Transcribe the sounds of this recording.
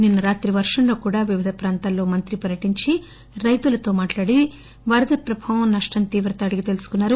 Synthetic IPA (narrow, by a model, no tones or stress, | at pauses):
ninːɐɾaːt̪ɾiʋɐɾʂɐɳlo̞ːkuːɽaːʋiʋid̪ʱɐpɾaːnt̪aːlːo̞ːmɐnt̪ɾipɐɾjɐʈiɲt͡ʃi | ɾɐjt̪ulɐt̪o̞ːmaːʈlaːɽi | ʋɐɾɐd̪ɐpɾɐbʱɐːʋɐnnːɐʂʈɐnt̪iːʋɾɐt̪ɐːɽiɡit̪elusu̥kunːaːɾu